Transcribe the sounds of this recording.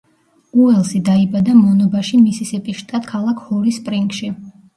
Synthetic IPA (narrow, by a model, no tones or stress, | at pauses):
uɛlˠsid̪aibad̪amɔnɔbaʃimisisɛpʼiʃt̪ʼat̪̚kʰalˠakʰhɔɾispʼɾiŋkʼʃi